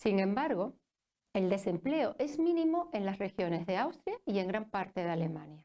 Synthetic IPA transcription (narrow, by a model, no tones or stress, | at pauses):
siŋẽ̞mbaɾɣo̞ | eld̪e̞se̞mple̞oʔe̞zmĩnĩmoe̞nlasre̞xjo̞ne̞zðe̞awst̪ɾjaie̞ŋɡɾampaɾt̪e̞ðale̞mãnja